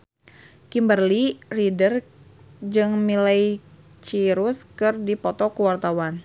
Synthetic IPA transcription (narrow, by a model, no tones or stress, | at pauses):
kimbərliridər | d͡ʒɨŋmilaj | t͡ʃiɾuskɨrdipɔt̪ɔkuwart̪awan